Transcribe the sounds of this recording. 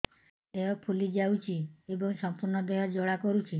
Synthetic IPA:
eɔpʰulid͡ʒawt͡ʃʰiebɔŋsɔmpuɾnɔd̪eɦɔd͡ʒoɭakɔɾut͡ʃʰi

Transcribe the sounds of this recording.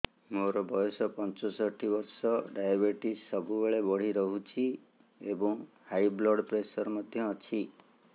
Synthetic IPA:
moɾɔbɔjɔsɔpɔnt͡ʃɔsɔʈʰibɔɾsɔɖajabeʈisːɔbubeɭebɔɽ̤iɾɔɦut͡ʃʰi | ebɔŋ | hajblɔɽpɾesɔɾɔmɔd̪ʱjɔːt͡ʃʰi

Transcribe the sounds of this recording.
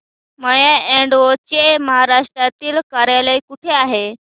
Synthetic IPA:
məjaeɳɖʋot͡ɕeməɦaɾaʂʈɾat̪iːlkaɾjaləjkuʈʰeaɦe

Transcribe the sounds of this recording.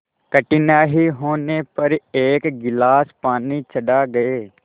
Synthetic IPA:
kəʈɪnaːɦiɦoːnepəɾeːkɡɪlaːspaːnit͡ʃʰəɖaːɡəeː

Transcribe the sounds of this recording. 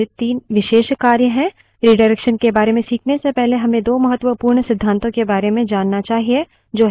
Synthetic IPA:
ɪt̪iːnʋɪʃeːʃkaːɾjəɦɛ̃ | ɾiɖəɾɛkʃənkebaːɾemẽsiːkʰnesepɛɦleɦɐmẽd̪oːmɐɦət̪ːwəpuːɾɳsɪd̪ʱːãːnt̪õkebaːɾemẽd͡ʒaːnːat͡ʃaːɦie | d͡ʒoːɦ

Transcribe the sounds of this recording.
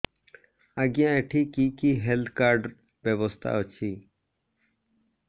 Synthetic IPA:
aɡjãeʈʰikikiɦelt̪ʰkaːɾɖ | beʋɔst̪ʰa̰ot͡ʃʰiː

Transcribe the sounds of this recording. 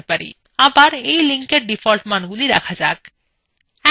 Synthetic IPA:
epaɾḭ | abaɾejliŋkeɾɖifʰolʈmanɡuliɾa̰kʰad͡ʑak | ɛ

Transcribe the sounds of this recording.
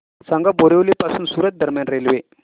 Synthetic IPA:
sãŋɡaboɾeʋlipasuːnsuːɾət̪̚d̪əɾmjanɾelʋe

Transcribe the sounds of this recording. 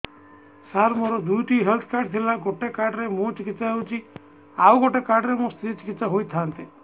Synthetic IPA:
saɾmoɾɔd̪ujʈiɦelt̪ʰkaɾɖ̚t̪ʰilaɡoʈekaɾɖɾemũt͡ʃikit̪saɦewt͡ʃʰi | auɡoʈekaɾɖɾemũst̪ɾit͡ʃi̥kit̪ːsaɦojt̪ʰant̪i

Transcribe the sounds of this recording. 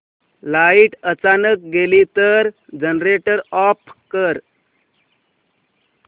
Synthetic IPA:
laiʈət͡sanək̚ɡelit̪əɾd͡ʑənɾeʈəɾɔpkəɾ

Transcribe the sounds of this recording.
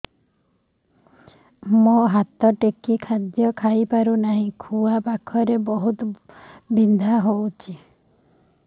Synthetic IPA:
moɦat̪ɔʈekikʰad̪jɔkʰajpaɾunaɦĩkʰuapakʰɔɾebɔɦut̪ɔbind̪ʱaɦowt͡ʃʰi

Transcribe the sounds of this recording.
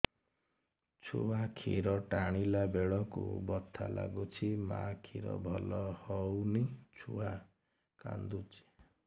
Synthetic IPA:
t͡ʃʰuakʰiɾɔʈaɽ̃ilabeɭɔkṵbɔt̪ʰːala̰ɡut͡ʃʰimakʰiɾɔ̰bʱɔlɔhɔwnit͡ʃʰua | ka̰nd̪ut͡ʃi̥

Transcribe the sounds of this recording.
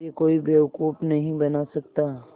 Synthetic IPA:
ekoːibeːʊkuːpnɐɦĩbɐnasɐk̚t̪a

